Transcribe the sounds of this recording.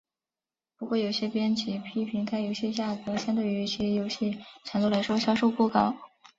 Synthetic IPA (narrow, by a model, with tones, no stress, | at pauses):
pu˧˥kwɔ˥˩jo˨˩ʊɕjɛ˥pjɛ˥nt͡ɕʰi˧˥pʰi˥pʰi˧˥ŋt̪ʰa˥˩jo˧˥ʊɕjɛ˥˧t͡ɕja˥˩t̪ɤ˧˥ɕa˥nt̪e˥˩y˧˥ɕjɛ˥jo˧˥ʊɕi˥˩ʈ͡ʂʰa˨˩ŋnu˥˩la˧˥ɪʂwɔ˥ɕjɑ˥ʊʂo˥˧ʊpu˥˩kɑ˥˩˦ʊ